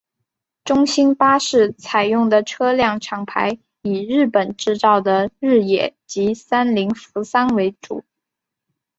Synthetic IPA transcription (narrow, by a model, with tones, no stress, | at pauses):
ʈ͡ʂʊ˥ŋɕi˥npa˥ʂɻ̩˥˩t͡sʰa˨˩ɪjʊ˥˩ŋd̪ə˩ʈ͡ʂʰɤ˥ljɑ˥˩ŋʈ͡ʂʰɑ˨˩ŋpʰa˧˥ɪ | i˨˩ɻɻ̩˥˩pə˨˩nʈ͡ʂɻ̩˥˧t͡sɑ˥˩ʊd̪ə˩ɻɻ̩˥˩jɛ̰˨˩˦t͡ɕi˧˥sa˥nli˧˥ŋfu˧˥sa˥nwe˧˥ɪʈ͡ʂṵ˨˩˦